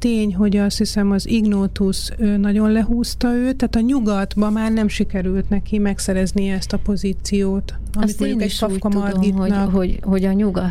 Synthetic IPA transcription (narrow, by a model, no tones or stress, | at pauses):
t̪eːɲɦo̞ɟɒst̪hisɛmɒziɡnoːt̪us | ønɒɟo̞nlɛɦuːst̪ɒøːt̪ːɛaːt̪ɒɲuɡɒd̪bɒmaːrnɛmʃikɛɾylt̪nɛkimɛksɛɾɛzniɛɛst̪ɒpo̞ziːt̪sijoːt̪ | ɒmit̪moɲɟuukɛ̥kɒfkɒmɒrd̪ɡinɒohoɟɒɲuɡɒ